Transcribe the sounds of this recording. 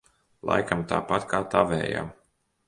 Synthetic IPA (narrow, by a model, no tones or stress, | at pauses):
lˠa̰jkamt̪a̰ːpat̪kaːt̪avɛ̰ːja̰m